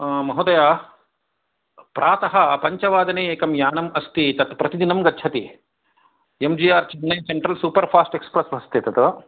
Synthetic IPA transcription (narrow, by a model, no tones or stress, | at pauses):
mɐɦud̪ɐjaː | pɾaːt̪ɐɦɐpɐɲt͡ʃɐʋaːd̪ɐneːeːkɐmjaːnɐmɐst̪it̪ɐt̪pɾɐt̪id̪inɐmɡɐtːt͡ʃʰɐt̪i | emd͡ʒiːaːɾt͡ʃɐnːɐjseɳʈɾɐlsuːpɐɾpʰaːsʈekspɾɐsbɐst̪eːt̪ɐt̪ɐʋɐ